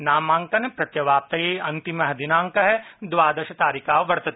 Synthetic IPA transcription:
naːmãːŋkɐnepɾɐt̪jɐʋaːp̚t̪ɐjeːɐ̃nt̪imɐɦɐd̪inaːŋkɐɦɛd̪ʋaːd̪ɐʃɐt̪aːɾikaːʋʋɐɽt̪ɐt̪ʰi

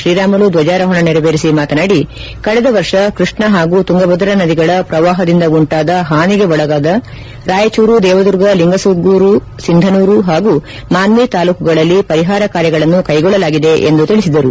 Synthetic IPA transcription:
ɾiːɾaːmɐlud̪ʋɐd͡ʒaːɾɐɦɔɳɐniɾɐʋeːɾisimaːt̪ɐnaːɽi | kɐɭɛd̪ɐʋɐɾʂɐkɾiʂɳɐɦaːɡuːt̪uŋɡɐbɐd̪ɐɾɐnɐd̪iɡɐɭɐpɾɐʋaːɦɐd̪ind̪ɐɡuɳʈaːd̪ɐɦaːniɡe̞ʋɔɭɐɡaːd̪ɐ | ɾaːjɐt͡ʃuːɾud̪ɛːʋɐd̪uɾɡɐliŋɡɐsuɡuːɾu | sind̪ʱɐnuːɾuɦaːɡu | maːnʋit̪aːluːkuɡɐɭɐlːipɐɾiɦaːɾɐkaːɾjɐɡɐɭɐnːukɐjɡɔɭːɐlaːɡid̪e̞ʔḛnd̪ut̪iɭisid̪ɐɾu

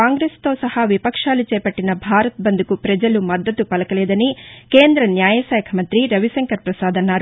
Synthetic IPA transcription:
aːŋɡɾeːst̪o̞ːsɐhɐʋipɐkʂaːlit͡ʃeːpɐʈːinɐbʱaːɾɐt̪̚bɐnd̪ukupɾɐd͡ʒɐlumɐd̪ːɐt̪ːupɐlɐkɐled̪ɐnikeːnd̪ɾɐnjaːjɐsɐːjɐkʰɐmɐnt̪ɾiɾɐʋisɐŋkɐɾpɾɐsaːd̪ʱɐnaːɾ

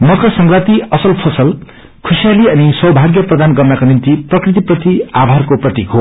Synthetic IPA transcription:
mʌkʰʌsʌŋɡrat̪iʌsʌlpʰosʌl | kʰusijaliʌniswʌbʱaɡjʌprʌd̪ʱanɡʌmːakonint̪iprʌkrit̪̬iprʌt̪iabʱarkoprʌt̪ikɦo

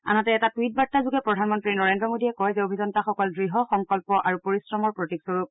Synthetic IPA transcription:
a̰natɛːtatwit̚batːazuɡɛpɹɔdʱanmɔntɹinɔɹendɹɔmodiɛkɔjzɛobʱizɔntaxɔkɔldɹiɦɔxɔŋkɔlpɔʔaɹupoɹisɹɔmɔɹpɹotiksoɹup̚

